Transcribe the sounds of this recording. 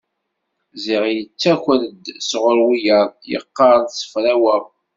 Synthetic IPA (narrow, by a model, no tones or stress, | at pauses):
ziʁjət͡sːækʷələd̪sʁʊɾwijəɾˤjə̰qːɑɾˤnsə̥fɾæwæʁ